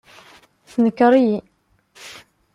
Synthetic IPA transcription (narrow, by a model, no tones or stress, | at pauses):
θnəkːəɾˤiji